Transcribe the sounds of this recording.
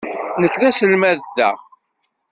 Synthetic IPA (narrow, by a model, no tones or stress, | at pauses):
nəkːðæsəlmæððæ̰